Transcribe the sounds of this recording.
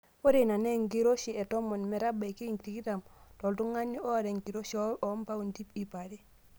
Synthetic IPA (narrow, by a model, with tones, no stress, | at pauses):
wo˦ɾe˨na˨ne˦ŋɡi˦ɾo˦ʃi˨ɛ˨tɔ˦mo˨nmɛ˨ɾa˦ba˨ki˦ŋkti˨ki˦ta˨mtɔ˨ltu˦ŋa˦nːi˦ɔ˦a˨ɾe˨ŋki˨ɾo˦ʃɔ˦lɔ˨˦mpa˦u˨ndi˦pi˨pa˨ɾi˦